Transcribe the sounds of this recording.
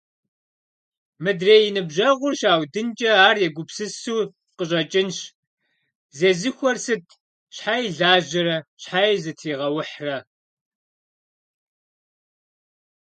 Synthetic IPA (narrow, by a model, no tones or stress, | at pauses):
mɨdreːjɪnɨbʑɐʁʷʊrʃaːwdɨnt͡ʃʼɐaːrjɛɡʷʊpsɨsuː | qəɕʼɐt͡ʃʼɪnɕ | zeːzɨxʷɔrsɨtʰ | ɕħaːjɮaːʑɪɾɐɕħaːjzɨtʰiːʁɐwʊħrɐ